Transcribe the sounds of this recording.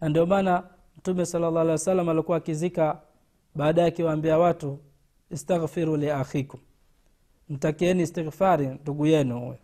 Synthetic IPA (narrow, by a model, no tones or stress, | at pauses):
nandiɔmana | m̩tumɛsalːalaalɛwasalːamalikuwakizika | ɓaːɗajakiwaːmbiawatu | istaɣfiɾuliaxiku | m̩takiɛnistiɣfaɾinduɡujɛnuhṵjɛ